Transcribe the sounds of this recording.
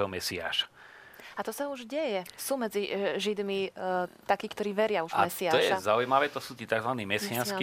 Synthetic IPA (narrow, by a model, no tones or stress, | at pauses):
ɔmɛsia̰ːʃḁ | at̪ɔsauʒɟɛjɛsuːmɛd͡ziʒid̪mit̪akiːkt̪ɔɾiːʋɛɾɪauʒamɛsiaːɔʃjɛazaujmaʋɛːt̪ɔsuːt̪iːt̪aɡzʋaniːmɛsianski